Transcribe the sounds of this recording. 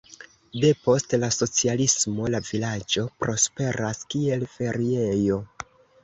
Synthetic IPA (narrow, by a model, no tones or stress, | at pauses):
de̞po̞stlaso̞t͡sialismo̞lavilad͡ʒo̞pɾo̞spe̞ɾaskie̞lfe̞ɾie̞jo̞